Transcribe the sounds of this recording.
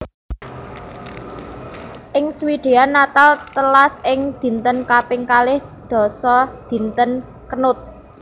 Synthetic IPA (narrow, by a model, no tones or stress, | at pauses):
ʔɪŋswiɖ̪̥e̤anːat̪alt̪əlasʔɪŋd̪̥i̤nt̪ənkapɪŋkalɪhd̪̥ɔ̤sɔd̪̥i̤nt̪ən | kənʊt̪̚